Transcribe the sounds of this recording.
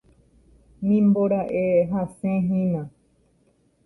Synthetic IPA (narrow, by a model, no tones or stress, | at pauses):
nĩmboɾaʔeɦasẽɦĩnã